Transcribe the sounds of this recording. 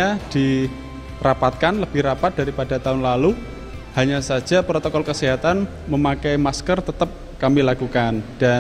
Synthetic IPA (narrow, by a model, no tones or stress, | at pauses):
ad̥i | rapat̪̚kanləb̥ɪhɾapat̪̚d̥aɾipadat̪aʊnlalu | haɲasḁd͡ʒ̥a̤pɾot̪okɔlkəseɦat̪an | məmakɛjmaskərt̪ət̪əp̚ | kamilakukand̥a